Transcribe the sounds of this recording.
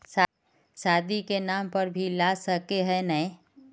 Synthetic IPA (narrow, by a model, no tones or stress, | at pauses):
sa | saːd̪ikenaːmpəɾbʱilaːsəkeɦɛnəẽ